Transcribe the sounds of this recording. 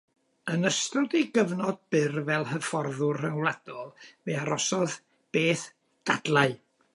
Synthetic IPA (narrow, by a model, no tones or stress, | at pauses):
ənəstrʊdiɡəvnɔd̚b̥ɪrvɛlˠhəfɔrðʊrrəŋwlˠad̥ɔlˠveaɾɔsɔð | b̥eːθ | d̥ad̥lˠaɨ